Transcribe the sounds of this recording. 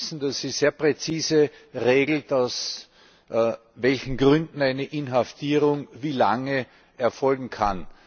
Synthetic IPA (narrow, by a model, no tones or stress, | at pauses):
sn̩d̥asiz̥eːɐpʁet͡siːzə | ʁeːɡl̩taʊs | vɛlçn̩ɡʁʏndn̩aɪnəʔɪnɦaftʰiːʁʊŋviːlaŋə | ɛɐfɔlɡŋ̩kʰan